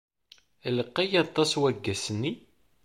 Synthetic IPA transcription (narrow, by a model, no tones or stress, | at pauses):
ləqːijɑt̪ˤːɑswæɡːæsənːi